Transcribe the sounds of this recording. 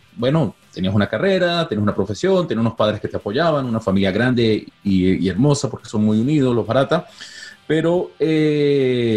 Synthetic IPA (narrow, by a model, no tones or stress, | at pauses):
bwe̞no̞t̪e̞niasunakare̞ɾat̪eiesunapɾo̞fe̞sjo̞nt̪eniasunospaðɾeske̞t̪eapo̞ʝaβanunafamiljaɣɾand̪e̞iieɾmo̞sapo̞ɾkeso̞nmujuniðosloβaɾat̪ape̞ɾo̞e